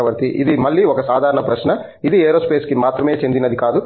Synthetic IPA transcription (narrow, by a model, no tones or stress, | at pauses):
ɐʋɐɾt̪iʔid̪imɐɭːiɔkɐsaːd̪ʱaːɾɐɳɐpɾɐʃnɐ | id̪ieːɾoːspeːskimaːt̪ɾɐme̞ːt͡ʃe̞nd̪inɐd̪ikaːd̪u